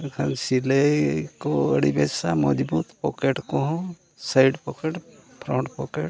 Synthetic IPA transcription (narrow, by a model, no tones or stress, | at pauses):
kʰansilekoəɽibesamɔd͡ʒbut̪pɔkeʈkoɦɔ̃ | sajɖpɔkeʈpʰɾɔ̃ɳʈpɔkeʈ